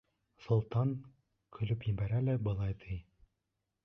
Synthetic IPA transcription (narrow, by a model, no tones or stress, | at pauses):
sŏlˠt̪ɑŋ | kʰɵ̆lɵpjɘ̆bæɾælæbɤ̆lˠɑjt̪ʰij